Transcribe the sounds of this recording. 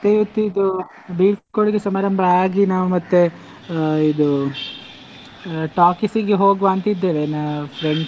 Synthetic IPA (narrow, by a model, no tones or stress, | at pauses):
t̪ejʋɐt̪ːuid̪u | biːpkoɭiɡesɐmaːɾɐmbʱɐaːɡinaːʋumɐt̪ːe | id̪u | ʈaːkisiɡeɦo̞ːɡʋaːnt̪ɐid̪ːeːʋenɐpʰɾeɳɖ